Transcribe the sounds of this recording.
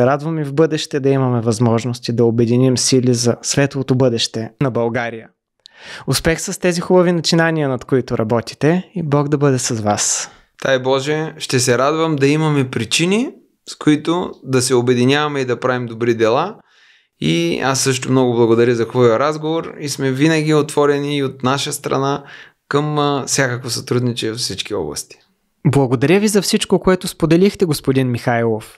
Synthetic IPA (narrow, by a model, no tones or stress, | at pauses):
sɛɾad̪vɐmivbɤd̪ɛʃt̪ɛd̪ɐimɐmɛvɐzmɔʒnost̪id̪ɐobɛd̪inimsilizɐsvɛt̪lˠot̪obɤd̪ɛʃt̪ɛnɐbɐlˠɡaɾijə | ʊspɛxsɐst̪ɛzixubɐvinɐt͡ʃinaniənɐt̪koit̪ʊɾʔɐbɔt̪i̥t̪ɛibɔɡd̪ɐbɤd̪ɛsɐzvas | t̪ajbɔʒɛʃt̪ɛs̬ɛɾad̪vɐmd̪ɐimɐmɛpɾit͡ʃini | skoit̪ʊd̪ɐsɛobɛd̪inʲavɐmɛid̪ɐpɾavimd̪obɾid̪ɛlˠa | ḭasːɤʃt̪omnɔɡʊblˠɐɡod̪ɐɾəzɐxvɔjəɾazɡovoɾismɛvinɐɡʲiot̪vɔɾɛniːot̪naʃəst̪ɾɐ̰na | kəmfsʲjakəkvosɐt̪ɾud̪nit͡ʃɛvɐfsit͡ʃk̟iɔ̰blˠɐ̰st̪i̥ | blˠɐɡod̪ɐɾʲəvizɐfsit͡ʃkokoɛt̪ʊspod̪ɛlixt̪ɛɡospod̪inmixajlˠof